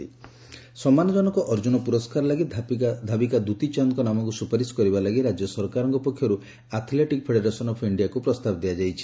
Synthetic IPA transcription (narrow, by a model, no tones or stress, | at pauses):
i | sɔmanɔd͡ʒɔnɔkɔʔɔɾd͡ʒunɔpuɾɔskaɾlaɡid̪ʱabikad̪ut̪it͡ʃankɔnamɔŋkusupaɾiskɔɾibalaɡiɾad͡ʒjɔsɔɾkaɾɔŋkɔpɔkʰːjɔɾu | at̪ʰleʈikpʰeɽeɾasɔnɔpʰiɳɖiakupɾɔst̪abɔd̪iad͡ʒajt͡ʃʰi̥